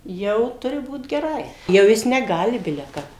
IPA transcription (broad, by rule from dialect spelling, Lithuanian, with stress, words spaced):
ˈjɛʊ ˈtʊrʲɪ ˈbuːt ɡʲɛˈrɐɪ jɛʊ ˈjɪs nʲɛˈɡɑːlʲɪ ˈbʲɪlʲɛ ˈkɐp